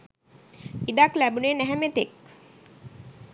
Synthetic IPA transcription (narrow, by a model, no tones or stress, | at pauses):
iɖaklæbuneːnæɦæmet̪ek